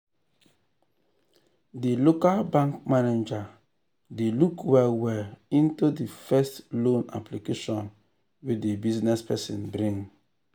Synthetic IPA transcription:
dilokalbãŋkmaned͡ʒa | delukwɛwɛĩntudifɛstlõna̰plikeʃɔ̃n | wedebiznɛspɛsḭ̃nbɾĩŋ

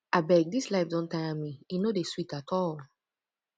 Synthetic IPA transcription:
abɛɡ̚dislaɪfdɔ̃ntaãmiinodeswitatʰɔl

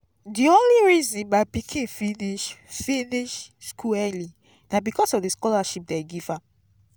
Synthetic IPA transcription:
diõnliɹizɔ̃nbaɪpikʰĩnfiniʃfĩniʃskʰuɛli | nabikɔsɔvdeskɔlaʃip̚deɡivãm

